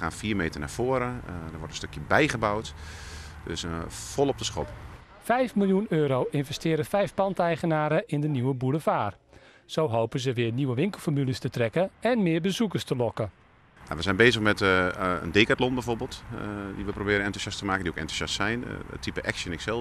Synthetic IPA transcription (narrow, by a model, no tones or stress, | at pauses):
a̰ːnfiːrmeːtərnaːfoəɾədəʋɔrtənstøkʰjəbɛjɣəbawt | døsfɔlˠɔp̚dəsxɔp | fɛjfmilˠjunøːɾoːʔɪnvɛstɪːɾəfɛjfpɑntɛjχənaːɾəʔɪndəniwəbuləfaːr | soːɦowpənzəʋɪəniʋəʋɪŋkəl̩ˠfomyləstətrɛkəɛnmɪːɹbəzukərstəlɔkə | ja̰ʋəzɛjnbeːzəxmɛtə̰ndeːkatlɔnbɛjvoːrbɪːlˠtdiʋəprobɪːɾənɛntusjastəmaːkədiokɛ̰ntu̥sastsɛjn̰tʰːipəʔɛksjənɪksɛlˠ